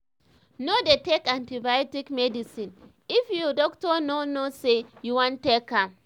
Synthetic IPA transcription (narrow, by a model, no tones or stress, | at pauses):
nodetekãntibajɔtikmɛdisĩn | ifjudɔktɔnonosejuwãntːekːa